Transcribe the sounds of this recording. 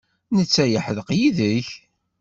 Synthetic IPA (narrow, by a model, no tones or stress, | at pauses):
nət͡sːæjəħəðəqjiðəç